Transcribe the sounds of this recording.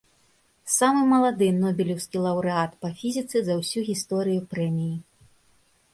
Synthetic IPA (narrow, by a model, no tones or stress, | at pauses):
samɨmɐlˠad̪ɨnɔbʲilʲɛwskʲilˠɐwɾɨat̪pɐfʲizʲit̪sɨzɐwsʲuɣʲist̪ɔɾɨjupɾɛmʲiji